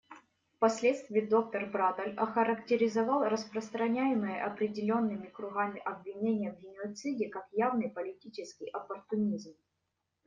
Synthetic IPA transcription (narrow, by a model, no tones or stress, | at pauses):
fpɐsʲlʲet̪st̪vʲɪːd̪o̞k̚t̪ərbɾat̪ɐlʲɐxəɾəktʲɪɾʲɪzɐvɑlˠrəspɾəst̪ɾɐnʲæjɪmɨjəʔɐpɾʲɪdʲɪlʲo̞nːɨmʲɪkɾʊɣamʲɪʔɐbvʲɪnʲenʲɪjəvɡʲɪnʲɪɐt̪sɨdʲɪkakjavnɨjpəlʲɪtʲit͡ɕɪskʲɪjʔɐpərt̪ʊnʲizm